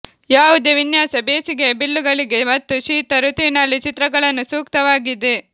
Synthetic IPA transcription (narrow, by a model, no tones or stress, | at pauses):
jaːʋud̪eʋinjaːsɐbeːsiɡe̞bilːuɡɐɭiɡe̞mɐt̪ːuʃiːt̪ɐɾut̪iʋinɐlːit͡ʃit̪ɾɐɡɐɭɐnːusuːk̚t̪ɐʋaːɡid̪e